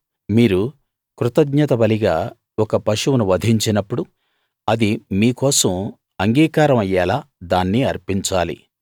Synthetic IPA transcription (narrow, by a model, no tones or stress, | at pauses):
miːɾu | kɾut̪ɐɡɲɐt̪ɐbɐliɡaː | ɔkɐpɐʃuwnuʋɐd̪ʱiɲt͡ʃinɐpːuɽu | ɐd̪imiːkɔːsɐm | ɐŋɡiːkaːɾɐmɐjːɛːlaːd̪aːnːiɐɾpiɲt͡ʃaːlḭ